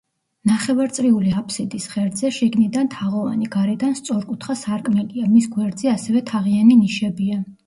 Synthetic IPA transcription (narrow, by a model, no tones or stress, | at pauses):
naχɛvaɾt̪sʼɾiuliapʰsid̪isχɛɾd̪zɛʃiɡnid̪ant̪ʰaʁɔva̰niɡaɾɛd̪anst̪sʼɔɾkʼut̪ʰχasaɾkʼmɛliamisɡwɛɾd̪zɛasɛvɛt̪ʰaʁianiniʃɛbia